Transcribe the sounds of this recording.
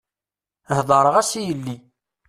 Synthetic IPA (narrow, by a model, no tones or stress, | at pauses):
hðˤəɾˤəʁæsijəlːi